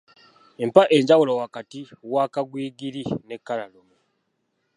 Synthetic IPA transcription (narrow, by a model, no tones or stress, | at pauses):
empaʔe̞ɲɟawulowakatiwaːkaɡwiːɡiɾine̞kːalalomu